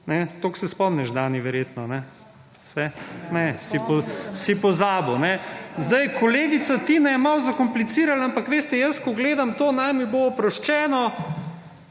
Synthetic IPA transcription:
nɛt̪oːksɛspɔmnɛʒd̪aːniʋɛɾjeːt̪nɔnɛ̥ | sɛnɛsipɔsipɔzaːbonɛzd̪ajkʰoleːɡit̪sat̪inɛjɛmawzakomplit̪siːɾalaampakʋeːst̪ɛjəskɔɡleːd̪amt̪oːnajmiboːpɾɔʃt͡ʃɛːnɔ

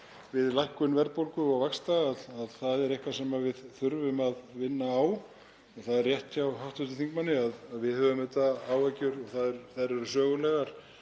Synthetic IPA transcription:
vɪðlajhkʏnvɛɾpowlkʏawvakst̪aːðaðθaðɛɾɛhkvasɛmavɪðθʏɾvʏmaðvɪnːaaːw | ɔɣθaðɛrːjɛht̪çawɦawht̪ʏst̪ɪθiŋkmanːɪaðaðvɪðhœvʏmʏt̪aawacʏɾɔɣθaðɛɾθaðɛɾɛɾʏsœːɣʏlɛɣaɾ̥

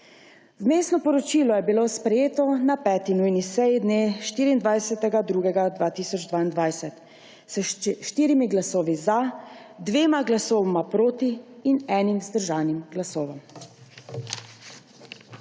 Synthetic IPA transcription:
wmeːst̪nɔpɔɾɔt͡ʃiːlɔjɛbiloːspɾɛjeːt̪ɔnapɛːt̪inujnisɛjid̪neːʃt̪iːɾiːnd̪ʋajsɛt̪ɛɡad̪ɾuːɡɛɡad̪ʋaːt̪iːsɔd͡ʒd̪ʋaːind̪ʋajsɛt̪ | sʃt̪iːɾimiɡlasoːʋiza | d̪ʋeːmaɡlasoːʋmapɾoːt̪iːnɛːnimzd̪əɾʒaːwnimɡlasoːʋɔm

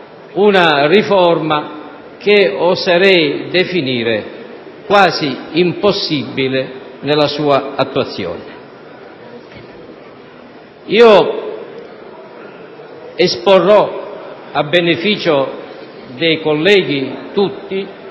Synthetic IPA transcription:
unarifɔrma | k̟ɪɔzaɾɛjd̪efiniːɾɪ | kwaːziimpɔsːibːilɪnɛlasuːaat̪ːuat̪sːjɔ̰ːnɪ | iːo | ɛsporːɔ | abːɛnefiːt͡ʃo | d̪ɛjkɔlːɛːɡit̪ut̪ːi

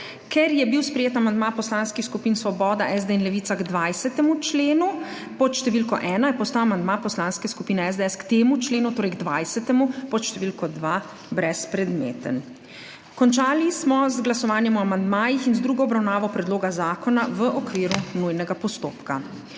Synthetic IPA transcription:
kʰɛɾjɛbiwspɾɛjeːt̪amand̪mapɔslanskixskupiːnsʋɔbɔːd̪aʔɛzd̪einlɛʋiːt̪saɡd̪ʋajsɛt̪ɛmut͡ʃleːnu | pɔt̪ʃt̪ɛʋiːlkɔʔɛːnajɛpɔst̪awamand̪maːpɔslaːnskɛskupiːnɛɛzd̪ɛɛskt̪eːmut͡ʃleːnut̪oːɾɛjɡd̪ʋajsɛt̪ɛmupɔt̪ʃt̪ɛʋilkɔd̪ʋaː | bɾɛspɾɛd̪mḛːt̪ə̰n | kɔnt͡ʃaːlismɔzɡlasɔʋaːnjɛmɔamand̪maːjixinzd̪ɾuːɡɔɔbɾawnaːʋɔpɾɛd̪loːɡazaːkɔnaʋəʔɔkʋiːɾunujnɛɡapɔst̪oːpka

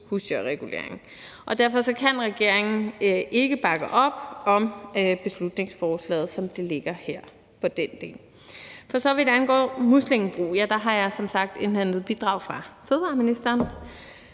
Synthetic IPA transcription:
husøʁɛɡ̥ule̝̰ɐ̰eŋ̩ | ʔɒ̽d̥æɐfɒ̽sɒ̽kʰænʁɛɡ̥e̝ɐ̰eŋn̩ʔe̝ɡ̥əb̥ɑ̈ɡ̥əʔɒ̽b̥ɒ̽møb̥e̝slud̥ne̝ŋsfɒːslɛ̰ːð̞̩ˠsɒ̽md̥e̝le̝ɡ̥ɐheɐ̰ | pʰɒ̽d̥end̥e̝̰ːl | fɒ̽sɒ̽ʋe̝d̥eænɡ̥ɒ̰ːmuslemb̥ʁṵːjæd̥ɑ̈ɦɑ̈jɑ̈ɪsɒ̽msɑ̈ɡ̥̚d̥e̝nlænð̩ˠb̥id̥ʁɑ̈ʊ̰fʁɑ̈feð̞̩ˠʋɑ̈ːminisd̥ɐːn

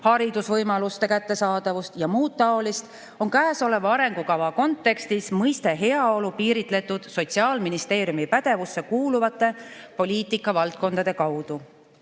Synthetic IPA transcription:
hɑɾid̪̥usvɤjmɑlust̪e̞kæt̪ːe̞sɑːd̪̥ɑvust̪jɑmuːt̪ːɑo̞list̪ | o̞nkæːso̞le̞vɑɑɾe̞ŋɡ̥ukɑvɑko̞nt̪ːˑe̞kst̪ismɤjst̪e̞ɦe̞ɑo̞lupiːɾit̪ˑle̞t̪ːˑud̪̥so̞t̪siɑːlminist̪e̞ːɾjumipæd̪̥e̞vusːe̞kuːluvɑt̪ːˑe̞po̞lʲiːt̪ˑikːˑɑvɑlt̪̚ko̞nd̪̥ɑd̪e̞kɑwd̪̥u

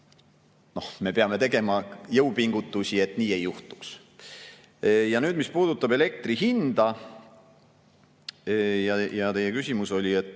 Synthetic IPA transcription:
no̞hme̞peɑme̞t̪e̞ɡe̞mɑjɤwpiŋɡ̥ut̪ːˑusʲie̞t̪ˑniːe̞jːuht̪u̥ks | jɑnyːd̪mispuːd̪ut̪ːˑɑbe̞le̞k̚t̪riɦind̪̥ɑ | jɑjɑt̪e̞jekysʲimuso̞lʲie̞t̪ˑː

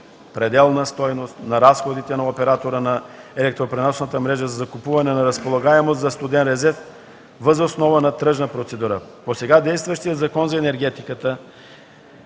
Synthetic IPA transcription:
pɾɛd̪ɛlˠnəst̪ɔjnost̪nɐɾasxod̪it̪ɛnɐopɛɾat̪oɾənɐɛlɛk̚t̪ɾopɾɛnɔsnət̪əmɾɛʒəzɐzɐkupuvɐnɛnɐɾəspolˠɐɡaɛmost̪zɐst̪ud̪ɛnɾɛzɛɾf | vəzosnɔvənɐt̪ɾɤʒnəpɾot̪sɛd̪uɾəposɛɡad̪ɛjst̪vɐʃt̪ijət̪zɐkɔnzɐɛnɛɾɡɛt̪ikət̪ə

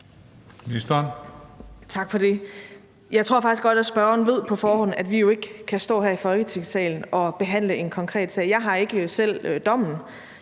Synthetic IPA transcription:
nisd̥ɐn | t͡sʰɑ̈ɡ̥fɒ̽d̥e̝ | jɑ̈ɪt͡sʰʁo̝ɐ̰fɑ̈ɡ̥isɡ̥ɒ̽d̥æsb̥ɶɐɐnʋe̝ð̞̰ˠpʰɒ̽fɒːɦɒ̽n̰æd̥ʋijo̝e̝ɡ̥kʰæsd̥ɔ̰̽ːɦæɐifɒ̽lɡ̥ət͡sʰe̝ŋ̰sɛ̰ːln̩ɒ̽b̥e̝ɦæn̰ləʔe̝nkʰɒ̽ŋkʰʁɛ̰ːd̥sɛ̰ːjɑ̈ɪɦɑ̈e̝ɡ̥əsel̰d̥ɒ̽m̰n̩

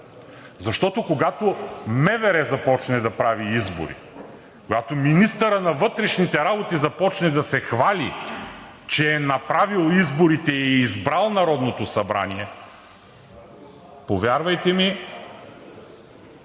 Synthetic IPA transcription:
zɐʃt̪ɔt̪okoɡat̪omɛvɛɾɛzɐpɔt͡ʃnɛd̪ɐpɾaviizbo̰ɾḭ | koɡat̪ominist̪əɾənɐvɤt̪ɾɛʃnit̪ɛɾabot̪izɐpɔt͡ʃnɛd̪ɐsɛxvalḭ | t͡ʃɛːnɐpɾavilˠizboɾit̪ɛːzbɾalˠnɐɾɔd̪not̪osɐbɾa̰niɛ | povʲjaɾvɐjt̪ɛmi

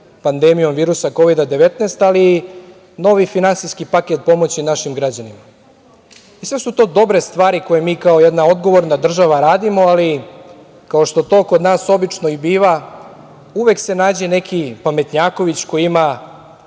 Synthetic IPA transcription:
pand̪emijo̞mʋiːɾusako̞ʋid̪ad̪e̞ʋe̞t̪neːst̪aliː | no̞ʋifinansijskipaket̪̚po̞mo̞t͡ɕinaʃimɡɾad͡ʑanima | isʋe̞sut̪o̞ːd̪o̞bɾe̞st̪ʋaːɾiko̞jemiːkao̞jed̪nao̞d̪ɡo̞ʋo̞ɾnad̪r̩ʒaʋaɾaːd̪imo̞ali | kao̞ʃt̪o̞t̪o̞ːkod̪naːso̞bit͡ʂno̞ibiːʋa | uʋe̞kse̞naːd͡ʑe̞ne̞kʰipame̞t̪ɲaːko̞ʋit͡ɕko̞jima

